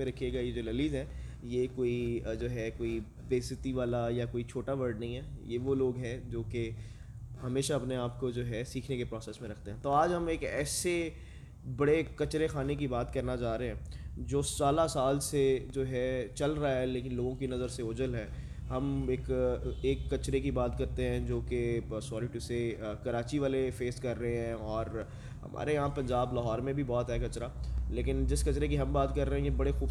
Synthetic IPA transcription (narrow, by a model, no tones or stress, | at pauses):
mẽɾɐkʰijeɡajed͡ʒoːlɐliːzɦɛ̃ːjekoːid͡ʒoːɦɛkoːi | ʋeːsɪt̪iʋaːlajakoːit͡ʃʰoːʈaʋəɾɖnɐ̃ɦĩɦɛːjeʋoloːɡɦɛ̃d͡ʒoːke | ɦɐmeːʃaɐpneaːpkod͡ʒoːɦɛsiːkʰnekepɾɔːsɛːsmẽɾɐkʰt̪ẽɦɛ̃t̪oaːd͡ʒɦɐmeːkɛ̰ːse | bɐɽekɐt͡ʃɾexaːnek̬ibaːt̪kɐɾnat͡ʃaːɾeɦɛ̃d͡ʒoːsaːlasaːlsed͡ʒoːɦɛt͡ʃɐlɾaaɦɛleːkɪ̃nloːɡõkinɐzəɾseʊd͡ʒəlɦɛː | ɦɐmeːkeːkːɐt͡ʃɾekibaːt̪kɐɾt̪eɦɛ̃d͡ʒoːkesɔːɾiʈuseːkɐɾaːt͡ʃiʋaːlefeːskɐɾːəɦeɦɛ̃ɔːɾ | ɦɐ̰mʔa̰ːɾẽãpɐ̃ɲd͡ʒaːblɐɦɔːɾmẽbʱibɔːt̪ɦɛːkɐt͡ʃɾaːleːkɪnd͡ʒɪskɐt͡ʃɾekiɦɐmbaːt̪kɐɾːeɦɛ̃jebɐɽexuːb